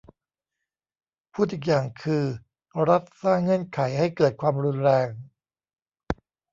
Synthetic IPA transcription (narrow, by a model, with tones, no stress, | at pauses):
pʰuː˥˩t̪̚ʔiː˨˩k̚jaː˨˩ŋkʰɯː˧ | ɾa˦˥t̪̚saː˥˩ŋːɤ˥˩ənkʰa˩˦jɦa˥˩jkɤː˨˩t̪̚kʰwaː˧mɾu˧nɾɛː˧ŋ